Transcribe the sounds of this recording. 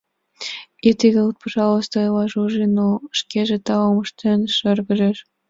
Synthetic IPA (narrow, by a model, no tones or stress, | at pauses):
it̪iɣʲeut̪̚pɑʒɑlost̪ɤlɑʒuʒinoʃkeʒĕt̪ɑloməʃt̪enʃərɣə̆ʒeʃ